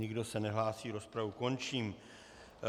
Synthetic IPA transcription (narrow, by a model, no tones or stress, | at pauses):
ɲɪɡdo̞sɛnɛɦlaːsiːɾo̞spɾavuko̞nt͡ʃiːm